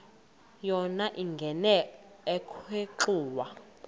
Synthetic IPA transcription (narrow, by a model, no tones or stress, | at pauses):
jɔnaʔiŋɡʱɛnɛː | kʰweǃuːwa